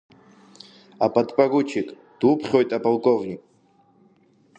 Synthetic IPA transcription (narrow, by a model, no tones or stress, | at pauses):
apʼat̪pʼaɡut͡ʃʰikʼ | d̪̥upχʲɔjt̪ʼapʼalˠkʼɔvnʲik̚ʼ